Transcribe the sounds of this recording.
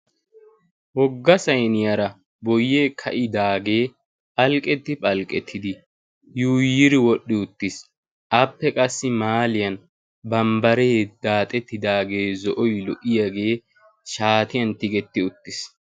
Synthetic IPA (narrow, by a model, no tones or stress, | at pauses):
wɔɡːɐsɐjnɪjɐɾɐ | bɔjːeːkʰɐʔɪd̪aːɡe̞ː | ʔɐlkʼːɛt̪ːɪpʼɐlkʼɛt̪ʰːɪd̪ɪ | juːjːɪɾɪwɔɗːɪʊt̪ːɪs | ʔɐpːɛkʼɐsːɪmaːlɪjɐn | bɐmbɐɾeːd̪̥aːt̪ʼɛt̪ːɪd̪aːɡe̞ːzɔʔɔjlɔʔɪjaɡe̞ː | ʃaːt̪ɪjɐnt̪ɪɡɛt̪ːɪʊt̪ːɪs